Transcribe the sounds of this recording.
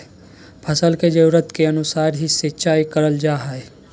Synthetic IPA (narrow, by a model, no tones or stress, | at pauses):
pʰɐsəlked͡ʒɐɾuːɾət̪keɐnʊsaːɾɦiset͡ʃaːikɐɾəld͡ʒaːɦɛːe